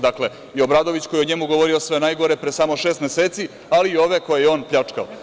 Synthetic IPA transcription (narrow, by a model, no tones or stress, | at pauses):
d̪akle̞ | io̞bɾad̪o̞ʋit͡ɕko̞jeoɲemuɡo̞ʋo̞ɾio̞sʋe̞najɡo̞ɾe̞pɾesaːmo̞ʃe̞ːst̪mjeseːt̪si | aliːo̞ʋe̞ko̞jejeo̞ːnpʎat͡ʂkao